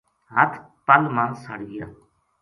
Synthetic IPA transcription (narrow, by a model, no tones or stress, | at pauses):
ɦət̪ʰ | pəlmãːsəɽɡɪja̰ː